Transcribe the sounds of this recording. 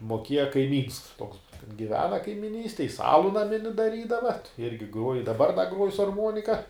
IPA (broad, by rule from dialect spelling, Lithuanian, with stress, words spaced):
moːˈkʲeːjɛ kɐɪˈmʲiːns toːks ɡʲɪˈʋʲæːnɐ kɐɪmʲɪˈnʲiːsʲtʲɛj jɪs ˈɑːlˠʊ nɐˈmʲɪnʲɪ dɐˈrʲiːdɐʋɐ ɐt ˈɪrʲɡʲɪ ˈɡruɔj ɪr dɐˈbɐr dɐ ˈɡruɔj sʊ ɐrˈmuɔnʲɪkɐ